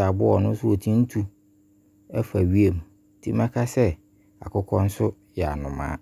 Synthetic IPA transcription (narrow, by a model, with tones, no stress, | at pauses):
a˨bʊ˦ɔ˨nʊ̃˦sʊ˦o˨tʰĩ˦n̩˦tʰu˨ | ɛ˦fa˨ɥi˦e˨m˨tʰi˦mã˦kʰa˦sɛ˦ | a̰˨kʊ˦kʰɔ̃˦n̩˦sʊ˦ | jɛ˨a̰˨nʊ̃˨mã̰ː˨˦